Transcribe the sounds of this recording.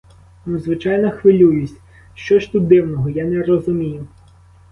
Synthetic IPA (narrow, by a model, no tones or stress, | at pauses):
nuzʋɪt͡ʃajnɔxʋɪlʲujʊsʲ | ʃt͡ʃɔʃt̪ut̪̚d̪ɪwnɔɦɔjanɛrɔzʊmʲijʊ